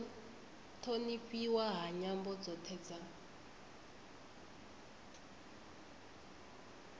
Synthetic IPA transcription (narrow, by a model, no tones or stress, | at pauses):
tʰonifiwaɦaɲambɔd͡zɔtʰɛd͡za